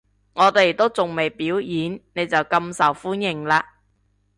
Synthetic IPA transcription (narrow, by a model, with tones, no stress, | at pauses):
ŋɔː˨˧t̪e˨jt̪o˥wt͡sʊ˨ŋme˨˩jpiː˨˥wjiː˨˥nne˨˧jt͡sɐ˨wkɐ˧msɐ˨wfuː˥njɪ˨˩ŋlaː˧